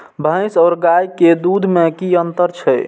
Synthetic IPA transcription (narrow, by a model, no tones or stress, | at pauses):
bʱə̃ɪ̃saːɾɡajked̪ud̪ʱmekiənt̪əɾt͡ʃʰɛ